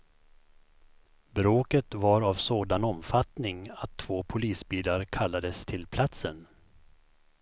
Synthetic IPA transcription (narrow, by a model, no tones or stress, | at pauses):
bɾoːkət̪vaɾavsoːd̪anɔmfat̪nɪŋat̪ʰːv̥oːpʰʊliːsbiːlaɾkʰalːad̪əst̪ʰɪlpʰlat̪sən